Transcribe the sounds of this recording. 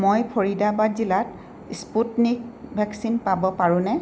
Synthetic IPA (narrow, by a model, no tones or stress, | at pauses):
mojpʰoɹidabazilat̚ | sputnik̚bʱɛksinpabɔpaɹʊ̃nɛ